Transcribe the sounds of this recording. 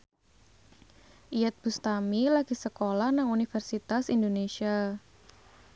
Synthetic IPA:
ʔijat̪̚b̥ust̪amilaɡ̥i̤səkolahnaŋunifərsit̪asindonesia

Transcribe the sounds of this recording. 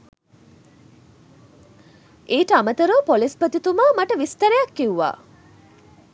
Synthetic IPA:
eːʈəamət̪əɾəpolispət̪it̪uməmaʈəʋist̪əɾejakːiuʋa̰ː

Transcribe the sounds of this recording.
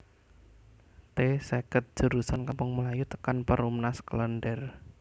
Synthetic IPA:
t̪esekət̪̚d͡ʒ̥ə̤ɾusankampʊŋmulajut̪ə̥kanpəɾumnaskələnɖɛr

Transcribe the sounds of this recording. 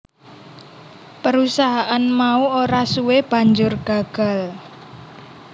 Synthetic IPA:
pəɾusaɦaʔanmauoɾasuweb̥ä̤ɲd͡ʒʊrɡ̥a̤ɡ̥a̤l

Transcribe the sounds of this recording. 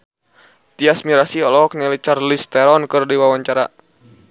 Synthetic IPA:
t̪iasmiɾasiɔlɔɔk̚nalit͡ʃarlist̪ɛɾɔnkɨrdiwawaɲt͡ʃaɾa̰

